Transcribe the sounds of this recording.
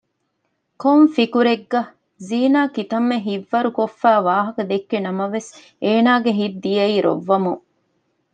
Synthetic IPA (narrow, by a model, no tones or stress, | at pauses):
komfikuɾeɡːɐ | ziːnaːkit̪ɐmːeɦiʋːɐɾukofːæːʋaːɦɐkɐd̪ekːenɐmɐʋes | eːnaːɡeɦidd̪d̪ijɐiːɾo̰ʋːɐmu